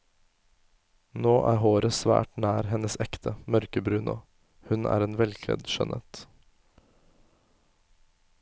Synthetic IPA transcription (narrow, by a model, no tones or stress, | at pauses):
noːʔæ̰ːɾɦoːɾəsʋæ̰ːʈnæːɾhɛnəsɛkt̪ʰəmœɾkəbɾʉːnʔʊ | hʉnæ̰ːɾeːnʋɛlkʰlɛ̰d̪ʃœ̰nʔət̪